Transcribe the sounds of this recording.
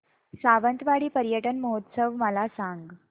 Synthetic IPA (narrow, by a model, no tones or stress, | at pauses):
saʋənt̪ʋaɽiːpəɾjəʈənməɦot̪səʋməlasaŋɡ